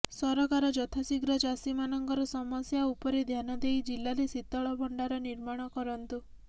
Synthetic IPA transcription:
sɔɾɔkaɾɔd͡ʒɔt̪ʰasiɡɾɔd͡ʒasimanɔŋɡɔɾɔsɔmɔsjaupɔɾed̪ʱjanɔd̪ejd͡ʒilːaɾesit̪ːɔɭɔbʱɔɳɖaɾɔniɾmaɽ̃ɔkɔɾɔnt̪u

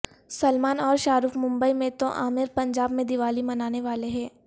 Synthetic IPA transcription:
sɐlmaːnɔːɾʃaːɾuːfmʊ̃mbəimẽt̪o̰ʔa̰ːmɪɾpɐ̃ɲd͡ʒaːbmẽd̪ɪʋaːlimɐnaːneʋaːleɦɛ̃ː

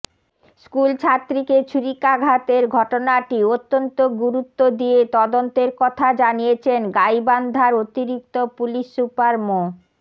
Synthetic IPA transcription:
skult͡ɕʰat̪ːɾiket͡ɕʰuɾikaɡʱat̪eɾɡʱɔʈonaʈiot̪ːont̪oɡuɾut̪ːod̪iet̪ɔd̪ont̪eɾkɔt̪ʰad͡ʑanijet͡ɕʰenɡajband̪ʱaɾot̪iɾik̚t̪opuliʃːupaɾmo

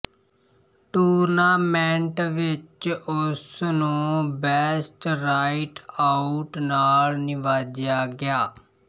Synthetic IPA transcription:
ʈuːɾnaːmɛ̃ːɳʈʋɪt͡ʃʊsnũːbɛːsʈɾaːɪʈaʊʈnaːlnɪʋaːd͡ʒjaːɡɪjaː

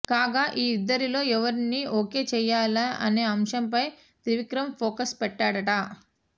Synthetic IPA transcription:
kaːɡaːʔiːd̪ːɐɾilo̞ːɛʋɐɾiniːʔoːke̞ːt͡ʃɛːjaːlaɐ̰ne̞ːɐmʃɐmpɐj | t̪iʋikɾɐmpʰoːkɐspɛʈːaːɽɐʈɐ

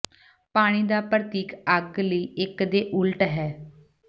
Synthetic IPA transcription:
paːɽ̃iːd̪aːpɾt̪iːkəɡləiːɪkd̪eːʔʊlʈɦɛː

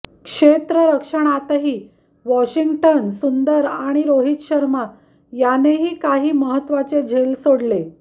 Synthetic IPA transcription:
kʂet̪ɾəɾəkʂəɳ̃at̪aɦiː | ʋɔɕiŋɡʈənsund̪əɾaɽ̃iɾoɦit̪ɕəɾma | janeɦiːkaɦiːməɦət̪ʋat͡sed͡ʑʱelsoɽle

